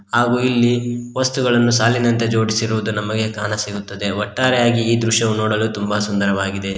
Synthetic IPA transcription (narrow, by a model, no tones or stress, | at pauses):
haːɡuːilːiʋɐst̪uɡɐɭɐnːusaːlinɐnt̪e̞d͡ʒo̞ːɽisiɾuʋud̪unɐmɐɡe̞kaːnɐsiɡut̪ːɐd̪e̞ɔʈːaːɾɛjaːɡiːd̪ɾuʃɐʋunoːɽɐluːt̪umbɐsund̪ɐɾɐʋaːɡid̪e